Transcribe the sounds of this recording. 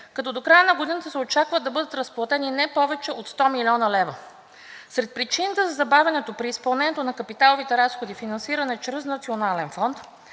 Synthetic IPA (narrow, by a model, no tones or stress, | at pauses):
kɐt̪ɔd̪okɾajənɐɡod̪inət̪əsɛot͡ʃakvəd̪ɐbɤd̪ət̪ɾɐsplˠɐt̪ɛninɛpɔvɛt͡ʃɛʔot̪st̪ɔmilʲiɔnəlɛvə | sɾɛt̪̚pɾit͡ʃinət̪əzɐzɐbavʲɛnɛt̪opɾiːspɐlˠnɛnɛt̪onɐkɐpit̪alˠovit̪ɛɾasxod̪ifinɐnsiɾɐnɛt͡ʃɾɛznɐt̪sionalɛnfɔnt̪